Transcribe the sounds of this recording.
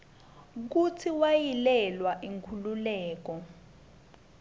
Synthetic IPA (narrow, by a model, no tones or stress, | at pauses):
k̬utʰiwajilɛlwaʔiŋkʰululɛːk̬ɔ